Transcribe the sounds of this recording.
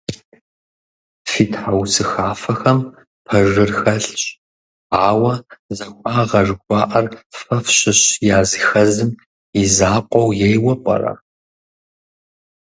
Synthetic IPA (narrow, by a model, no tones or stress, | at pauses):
fitʰħawsɨxaːfɐxɐm | pʰɐʒɨrxɐɬɕʼ | aːwɐzɐxʷʼɑːʁɐʐɡʷɑːʔɐrfɐfɕɪɕjaːzɨxɐzɨm | izaːqʷʼɔwjejwɐpʷʼɐ̰ra̰